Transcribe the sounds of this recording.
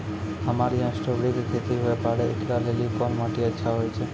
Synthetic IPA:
əmaɾiãsʈobɽikt̪ʰet̪iɦoepaɭeeklalelikɔnmaʈiətːʃʰaɦɔjt͡ʃʰe

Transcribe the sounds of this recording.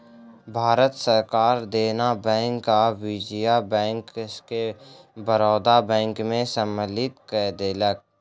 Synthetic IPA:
bʱaːɾət̪səɾkaːɾd̪eːnabɛ̃ːŋkːawid͡ʒijabɛ̃ːŋkkebəɾɔːd̪abɛ̃ːŋkmẽsəməlɪt̪kɛːd̪eːlək̚

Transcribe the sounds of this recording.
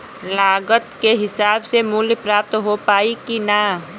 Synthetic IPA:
laːɡət̪keɦɪsaːbsemuːljpɾaːp̚t̪ɦopaːikina

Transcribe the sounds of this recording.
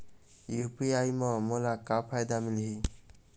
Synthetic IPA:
jupiajmɔmɔlakapʰajd̪amilɦi

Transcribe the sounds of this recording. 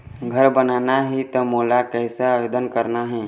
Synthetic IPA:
ɡʱəɾbənaːnaɦit̪omoːlakɛːsaaːʋeːd̪ənkəɾnaɦɛ̃ː

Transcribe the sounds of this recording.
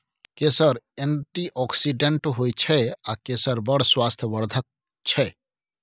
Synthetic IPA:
kesəɾenʈiʔɔksiɖeɳʈɦojt͡ʃʰɛakesəɾbəɽ̤swast̪ʰjəʋəɾd̪ʱək̚ | t͡ʃʰɛ

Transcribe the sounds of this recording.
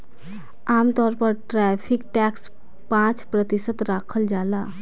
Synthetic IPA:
amt̪ɔɾpəɾʈɾɛpʰikʈɛks | pãt͡ʃpɾət̪isət̪ɾakʰəld͡ʒala

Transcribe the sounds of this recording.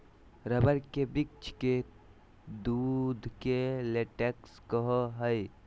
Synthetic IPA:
ɾəbəɾkebik̚t͡ʃʰke | d̪ud̪ʱkeleʈekskəɦɔɦəj

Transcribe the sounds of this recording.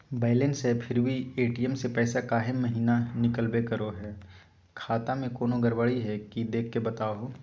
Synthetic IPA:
baːɪlensepʰɪɾbʱieːʈijəmsepɛːsakaːɦɪmːɐɦiːnanɪkəlbekɐɾoɦɛː | kʰaːt̪amẽkoːnoɡɐɾbəɭiɦɛkid̪eːkʰːebɐt̪aːɦoː

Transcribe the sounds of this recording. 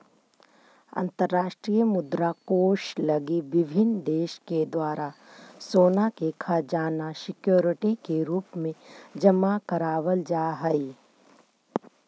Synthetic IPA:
ɐ̰̃nt̪əɾːaːʃʈɾiːjəmʊd̪ɾakoːʃlɐɡiʋɪbʱɪnd̪eːʃked̪waːɾasoːnakekʰad͡ʒaːnasɪkjoːɾɪʈikeɾuːpmẽd͡ʒɐmakəɾaːʋəld͡ʒaːɦɛi

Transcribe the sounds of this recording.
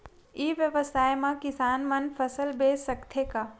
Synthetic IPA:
iʋjəʋəsaːjmãkɪsaːnmɐnpʰəsəlbeːsəkt̪ʰekaː

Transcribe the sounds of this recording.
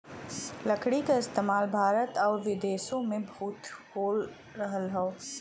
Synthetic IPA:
ləkʰɽikaɪst̪eːmaːlbʱaːɾət̪ɔːɾʋɪd̪eːsõmẽbʱuːt̪hoːl | ɾəɦəlɦɛoː

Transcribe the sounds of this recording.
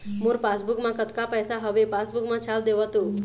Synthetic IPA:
muɾpasbukmãkət̪kapɛsaɦəʋepasbukmãt͡ʃʰald̪eʋət̪ũ

